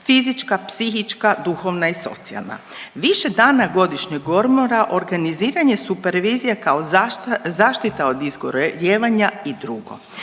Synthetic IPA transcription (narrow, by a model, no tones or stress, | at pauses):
fizit͡ʃkapsixit͡ʃkad̪uxo̞ʋnaiso̞̰t̪sia̰lna̰ | ʋiʃe̞d̪aːnaɡo̞d̪iʃɲeɡo̞ɾmoɾaʔo̞ɾɡaniziːɾaɲe̞supeɾʋiːzijakaozaːʃt̪it̪ao̞d̪izɡoɾjeːʋaɲaid̪ɾuɡo̞̰